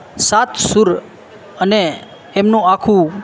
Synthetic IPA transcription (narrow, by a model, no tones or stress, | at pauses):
sat̪ʰsuɾ | əneː | mnũakʰũ